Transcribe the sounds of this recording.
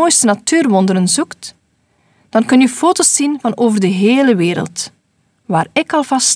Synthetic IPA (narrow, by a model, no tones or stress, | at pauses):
oːjstənatyːrʋɔndəɾənzukt | d̥ɑnkɵnyfoːtoːsːinvɑnoːvərdəɦeːləʋeːɾə̰lˠt | ʋaːrɪkɑlˠvɑs